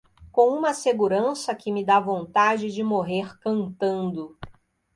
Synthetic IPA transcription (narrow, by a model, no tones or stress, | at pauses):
kõũmɐseɡuɾɐ̃sɐkɪmɪd̪avõnt̪ad͡ʒɪd͡ʒɪmoɦeɾkɐ̃nt̪ɐ̃nd̪ʊ